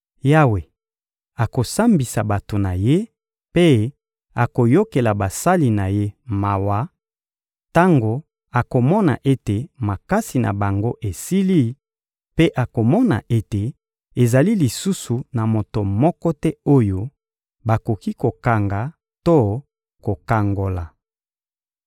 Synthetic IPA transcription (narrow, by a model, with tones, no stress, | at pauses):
ja˦we˨ | a˨ko˨sa˦mbi˨sa˨ba˨to˨na˨je˦ | pe˦ | a˨ko˨jo˦ke˨la˨ba˨sa˦li˨na˨je˦ma˨wa˨˦ | ta˦ŋɡo˨ | a˨ko˨mɔ˦na̰˨ʔe˦te˨ma˨ka˦si˨na̰˨ba˨ŋɡo˦ʔe˨si˦li˦ | pe˦ʔa˨ko˨mɔ˦na̰˨ʔe˦te˨ | e˨za˨li˦li˨su˦su˨na˨mo˨to˨mɔ˦kɔ˦tɛ˦o˦jo˦ | ba˨ko˨ki˦ko˨ka˨ŋɡa˨ | to˦ | ko˨ka˨ŋɡo˨la˨